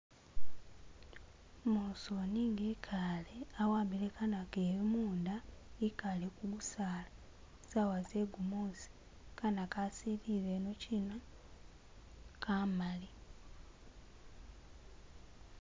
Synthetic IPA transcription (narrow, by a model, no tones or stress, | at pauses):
mosoniːŋɡekʰaleawaːmbilekanakeːβimuːndaikalekuɡusaːla | zawazeɡumozi̥ | kanakasiɾiβenocʰino | kʰamali